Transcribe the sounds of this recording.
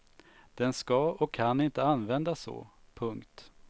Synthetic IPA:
d̪̥ɛnskɑɔkʰːanːɪnt̪əanvɛnd̪asɔ̰pʰɵŋkt̪

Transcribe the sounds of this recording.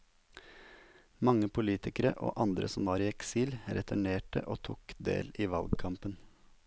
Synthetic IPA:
mɑŋəpʰʊliːt̪ɪkəɾə̰ʔo̰ːʔɑnd̪ɾə̰sɔmʋɑːɾiːɛksiːlɾɛt̪ʰʉɳeːʈə̰ʔoːt̪ʰukd̪ḛːliːʋɑlɡkʰɑmpən

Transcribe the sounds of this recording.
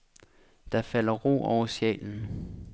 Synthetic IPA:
d̥ɑ̈fæl̰ɐʁo̰ːɒʊɐsjɛ̰ːln̩

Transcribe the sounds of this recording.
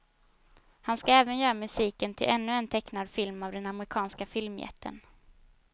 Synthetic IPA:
hanskaɛːvənjœːɾamɵsiːkənt̪ʰɪlʔɛnːɵɛnt̪ʰɛknad̪fɪlmavd̪ɛnamɾɪkʰɑːnskafɪlmjɛ̰t̪ʰːə̰n

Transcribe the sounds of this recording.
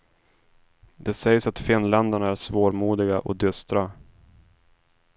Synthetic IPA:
d̪ɛsɛjsat̪fɪnːlɛnd̪əɳaæɾʂvoːɾmuːd̪ɪɡaʔɔ̰d̪ʏst̪ɾa

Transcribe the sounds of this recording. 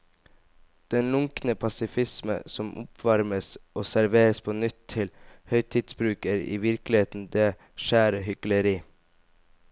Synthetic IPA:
d̪̥ɛnlʊŋknəpʰɑsɪfɪsmə̰sɔmʔʊ̰pʰʋɑɾməsoːsæɾʋeːɾəspʰoːnʏt̪ʰɪlhœʏt̪ʰiːd̪sbɾʉːkəɾḭːʋɪɾklɪeːt̪n̩d̪eː | ʃæːɾəhʏkləɾiː

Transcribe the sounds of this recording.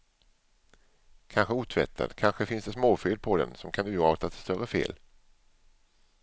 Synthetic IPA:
kʰanɧəuːt̪ʰvɛ̰t̪ʰːa̰d̪̥kʰanɧəfɪnsd̪ɛsmoːfʏld̪̚pʰɔd̪ɛ̰nsɔmkʰand̪ʉɑːt̪ʰat̪ɛst̪œɾəfḛːl

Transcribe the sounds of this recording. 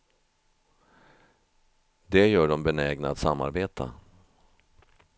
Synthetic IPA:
d̪ɛjœːɖɔmbɛnɛɡnat̪samːa̰ɾbeːt̪ʰa̰

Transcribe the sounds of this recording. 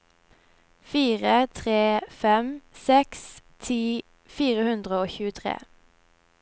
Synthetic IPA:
fiːʁət̪ʰʁeːfɛmsɛkst̪ʰiː | fiːʁəhʉnd̪ʁəoːçʉːət̪ʰʁḛː

